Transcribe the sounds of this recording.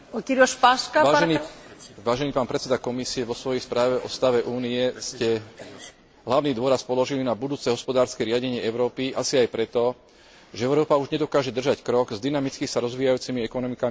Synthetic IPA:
ɔt̪iɾɔʃpaʃkaʋaːniʋaːʒɛniːpaːnpɾɛt̪sɛd̪akɔmisiɛʋɔsʋɔjɛjspɾaːʋɛʔɔst̪aʋɛʔuːniɛscɛ | ɦlaʊniːd̪ʊɔɾaspɔlɔʒilinabud̪uːt͡sɛɦɔspɔd̪aːɾskɛɾɪaɟɛɲɪɛɛʊɾɔːpiʔasiajpɾɛt̪ɔ | ʒɛɛʊɾɔːpauʒɲɛd̪ɔkaːʒɛd̪r̩ʒackɾɔɡzd̪inamit͡skixsaɾɔzʋiːjajuːt͡simiɛkɔnɔmikami

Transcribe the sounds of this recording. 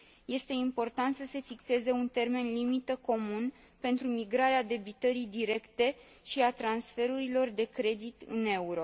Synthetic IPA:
je̞st̪e̞impo̞rt̪ant̪səse̞fikse̞ze̞unt̪e̞rme̞nlimit̪əko̞mun | pe̞nt̪ɾumiɡɾaɾead̪e̞bit̪əɾid̪iɾe̞kt̪e̞ | ʃiat̪ɾansfe̞ɾuɾilo̞rd̪e̞kɾe̞d̪it̪ɨ̰ne̞uɾo̞

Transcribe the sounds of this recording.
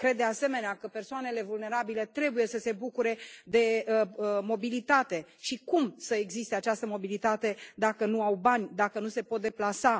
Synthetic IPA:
kɾe̞d̪ːease̞me̞neakəpe̞rsoane̞le̞vulne̞ɾabile̞t̪ɾe̞buje̞səse̞bukuɾe̞d̪e̞ | mo̞bilit̪at̪e̞ | ʃikumsəeɡzist̪e̞at͡ʃast̪əmo̞bilit̪at̪e̞d̪akənuawbanʲd̪akənuse̞po̞t̪̚d̪e̞plasa

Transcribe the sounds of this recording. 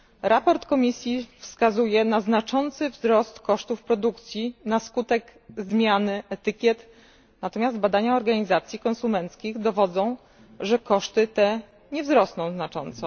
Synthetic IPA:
ɾapɔɾt̪kɔmʲisʲjifskazujɛnaznat͡ʂɔnt̪sɘvzɾɔst̪kɔʂt̪ufpɾɔd̪ukt̪sʲjinaskut̪ɛɡzmʲjanɘʔɛt̪ɘkʲjɛt̪ | nat̪ɔmʲjazd̪̚bad̪aɲaɔɾɡaɲizat̪sʲjikɔ̃nsumɛnt̪skʲiɣd̪ɔvɔd̪zɔ̃w̃ | ʐɛkɔʂt̪ɘt̪ɛ | ɲɛvzɾɔsnɔ̃w̃znat͡ʂɔ̰nt̪sɔ

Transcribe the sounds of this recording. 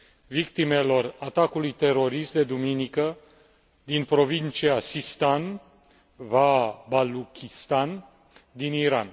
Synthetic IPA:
vikt̪ime̞lo̞rat̪akulujt̪e̞ɾo̞ɾist̪d̪e̞d̪uminikə | d̪inpɾo̞vint͡ʃiasist̪an | vabalukʲist̪an | d̪iniɾa̰n

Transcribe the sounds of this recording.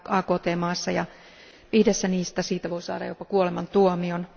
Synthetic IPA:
ɑːkoːt̪eːmɑːsːɑjɑ | ihdesːæniːst̪æsiːt̪æʋoisɑ̰ːdɑ̰jopɑkuolemɑnt̪uomion

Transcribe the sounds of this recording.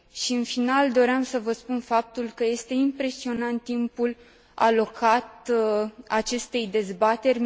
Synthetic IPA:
ʃiɨnfinald̪o̞ɾeamsəvəspunfap̚t̪ulkəje̞st̪e̞impɾe̞sio̞nant̪ːimpul | a̰lo̞kʰat̪ | at͡ʃe̞st̪e̞jd̪e̞zbat̪e̞rʲ

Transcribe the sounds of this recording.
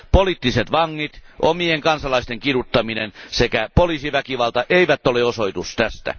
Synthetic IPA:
poliːˑt̪ːiset̪ʋɑŋːit̪ʔomieŋkɑnsɑlɑist̪eŋkirut̪ːɑminensekæpoliːsiʋækiʋɑlt̪ɑʔeiʋæt̪ːoleosoit̪ust̪æst̪æ̰

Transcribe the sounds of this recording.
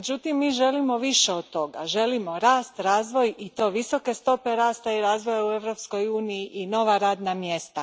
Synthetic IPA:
med͡ʒut̪imːiːʒe̞limo̞ʋiʃe̞od̪̚t̪o̞ɡa̰ʒe̞limo̞ɾaːst̪ɾaːzʋo̞jit̪o̞ːʋiso̞ke̞st̪o̞pe̞ɾaːst̪aiɾaːzʋo̞jaue̞ʋɾo̞psko̞juːnijiʔino̞ʋaɾaːd̪namje̞st̪a

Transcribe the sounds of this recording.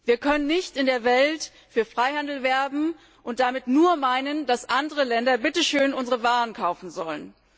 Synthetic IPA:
viːɐkʰœnənːɪçtɪndeːɐvɛlt | fyːɐfʁ̥aɪhandl̩vɛɐbm̩ | ʔʊnt̚d̥amɪtnuːɐmaɪnənd̥asʔandəʁəlɛndɐbɪtəʃøːnʔʊnzəʁəvaːʁənkʰaʊfn̩zɔlən

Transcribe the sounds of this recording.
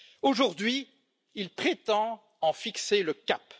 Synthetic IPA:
oʒuʁd̪ɥi | ilpχet̪ɑ̃ | ɑ̃fikseləkap

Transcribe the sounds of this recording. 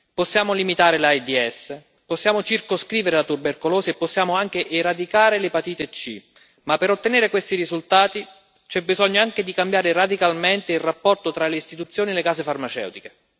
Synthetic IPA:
posːjaːmolimit̪aːɾelajd̪iɛsː | posːjaːmot͡ʃirkoskɾiːveɾelat̪urberkoloːseepːosːjaːmoaŋk̟eʔeɾad̪ikaːɾelepat̪iːt̪et͡ʃːḭ | mapːeɾot̪ːeneːɾekwest̪irizult̪aːt̪i | t͡ʃɛbːizɔɲːoaŋked̪ikambjaːɾerad̪ikalment̪eilrapːɔrt̪ot̪ɾaleist̪it̪ut̪sːjoːnielːekaːzefarmat͡ʃɛ̰wt̪ike

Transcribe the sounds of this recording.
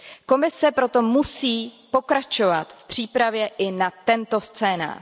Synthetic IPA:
ko̞mɪsɛpɾo̞t̪o̞musiːpo̞kɾat͡ʃo̞vat̪fpr̝̥iːpɾavjɛʔɪnat̪ɛnt̪o̞st͡sɛːna̰ː

